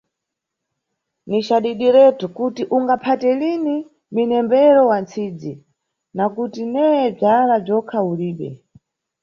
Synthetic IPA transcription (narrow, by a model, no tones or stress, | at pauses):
nit͡ʃaɗiɗiɾɛtukutiʔuŋɡapʰatɛlini | minɛmbɛɾɔwant͡sʰid͡zi | nakutinɛjɛb͡ʐalab͡ʐɔkʰauliːɓɛ̰